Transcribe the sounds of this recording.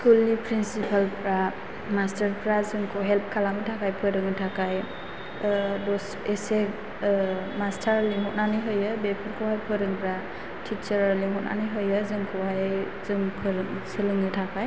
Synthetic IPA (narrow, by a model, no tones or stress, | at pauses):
skulːipʰɾinsipʰalpɾa | mastəɾpʰɾazɯŋkʰɔɦelp̚kʰalaŋɯtʰakajpʰɯjɾɯŋɯtʰakaj | dɔs | ese | mastʰaɾliŋɦɔt̚naniɦɯjɯbepʰɯɾkʰɔwɦajpʰɔjɾɯŋpʰɾa | tʰit͡ʃəɾliŋɦɔtna̰niɦɯjɯzɯŋkʰɔwaj | zɯŋpʰɯɾɯŋsɯlɯŋɯtʰakaj